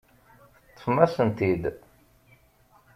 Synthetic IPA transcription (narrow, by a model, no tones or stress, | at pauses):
θə̥t̪ˤːə̥fmæsənt̪id̪